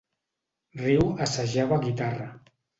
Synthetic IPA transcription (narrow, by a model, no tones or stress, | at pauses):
riwasaʒaβaɣit̪arə